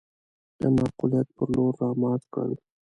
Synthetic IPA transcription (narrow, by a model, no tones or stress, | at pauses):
d̪̥əmɑqulijat̪̚pəɾloɾːɑmɑːzkə̰l